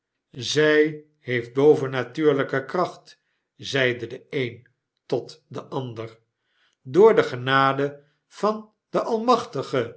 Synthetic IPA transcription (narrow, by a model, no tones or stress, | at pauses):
zɛj | ɦejfd̚bowvənatyːɹləkəkrɑχt | zɛjdədəejn | tɔtdəʔɑndəɹ | dʊːɹdəχənaːdə | v̥ɑn | d̥əʔɑlˠmɑχtəχə